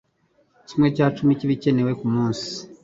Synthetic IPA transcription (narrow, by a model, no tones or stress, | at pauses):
cimŋe̞caːt͡ʃumiciβice̞ne̞we̞kumuːnsi̥